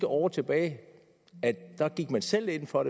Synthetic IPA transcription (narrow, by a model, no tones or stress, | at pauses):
ɡ̥əʔɒ̰ːt͡sʰe̝b̥ɛ̰ːɪ | æ̥d̥ɑ̈ɡ̥iɡ̥mænsel̰e̝n̰fɒ̽ɾ̥e